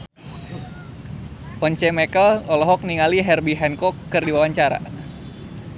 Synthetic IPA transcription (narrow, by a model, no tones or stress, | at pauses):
pɔɲt͡ʃɛmɛkəlɔlɔɦɔk̚niŋaliɦɛrbiɦɛnkɔkːɨrdiwawaɲt͡ʃaɾa̰